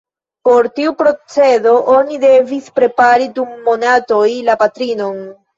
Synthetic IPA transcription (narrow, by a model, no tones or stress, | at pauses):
po̞ɾtiupɾo̞t͡se̞do̞ʔo̞nide̞vispɾe̞paɾidumːo̞nato̞jlapatɾino̞n